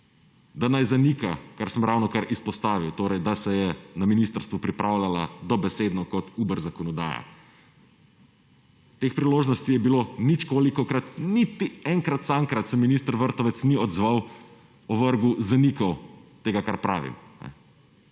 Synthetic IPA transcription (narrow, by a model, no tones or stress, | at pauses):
d̪anajzanikakaɾsəmɾawnɔkaɾʔispɔst̪aːʋiwt̪oːɾɛjd̪asɛjɛnaminist̪əɾst̪ʋupɾipɾʔawlʲala̰d̪ɔbɛsed̪nɔkɔt̪uːbəɾzakɔnɔd̪a̰ːja̰ | t̪expɾiloːʒnɔst̪ijɛbilonit͡ʃkoːlikɔkɾat̪nit̪iɛŋkɾat̪saŋkɾat̪sɛminist̪əɾʋəɾt̪ɔʋɛt̪sniɔd̪zʋaw | ɔʋəɾɡuzanikawt̪eːɡakaɾpɾa̰ːʋḭmnɛ̰